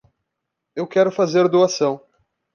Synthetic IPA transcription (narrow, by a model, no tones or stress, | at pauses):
ewkɛɾʊfazeɾd̪uasɐ̃w̃